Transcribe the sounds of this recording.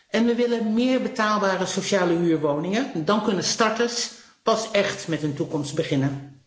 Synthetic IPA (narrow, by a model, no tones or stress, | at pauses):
ʔɛnʋəʋɪlənmɪːɹbətaːlˠbaːrəsowʃaːləyːɹʋownɪŋəndɑnkɵnəstɑɹtəs | pɑsɛχtmɛtɦɵntukɔmstbəχɪnən